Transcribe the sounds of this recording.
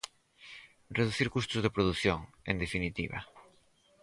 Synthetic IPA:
reðuθiɾkust̪ʊzðepɾoð̞uθjoŋḛnd̪efinit̪ḭβɐ̰

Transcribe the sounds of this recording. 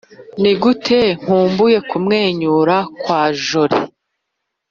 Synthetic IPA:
niɡutʰe̞ŋ̥huːmbuje̞kumŋe̞ːɲuːɾakwaːʒoɾḭ

